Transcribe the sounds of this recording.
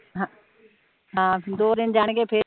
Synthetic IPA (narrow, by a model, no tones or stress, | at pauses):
ɦa | ɦãːd̪oːd̪ɪnd͡ʑaːɽ̃kepʰe